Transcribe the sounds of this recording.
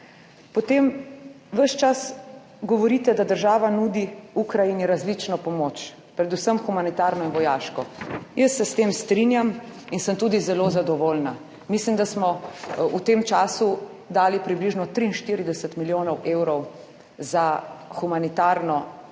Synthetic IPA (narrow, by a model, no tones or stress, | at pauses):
pɔt̪em | ʋəʃt͡ʃas | ɡɔʋɔɾit̪ɛd̪ad̪əɾʒaːʋanud̪iukɾajiniɾazlit͡ʃnɔpɔmot͡ʃ | pɾɛd̪usəmxumanit̪aɾnɔinʋɔjaːʃkɔjəsːɛst̪eːmst̪ɾinjaminsəmt̪uːd̪izɛlozad̪ɔʋolna | mislimd̪asmɔut̪emt͡ʃaːsu | d̪aːlipɾibliʒnɔt̪ɾiːnʃt̪iːɾid̪ɛsət̪miljoːnɔwʔeːwɾɔw | zaxumanit̪aɾnɔ